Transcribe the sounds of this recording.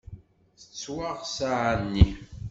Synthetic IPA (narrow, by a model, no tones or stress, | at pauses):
θə̥t͡sːwaʁsaʕanːi